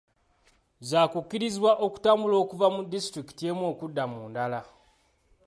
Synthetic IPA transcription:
zaːkukːiɾizwaʔo̞ku̥taːmbulo̞ːkuvamudːistɾiki̥tie̞mwo̞ːkudːamuːndala

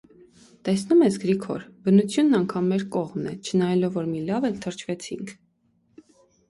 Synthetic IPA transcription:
t̪ɛsnumɛsɡɾikʰɔ̰ɾbənut͡sʰjunːɑŋkʰɑmːɛɾkɔʁmnɛt͡ʃʰənɑjɛlɔvːɔɾmilɑvɛlt̪ʰəɾt͡ʃʰvɛt͡sʰiŋkʰ

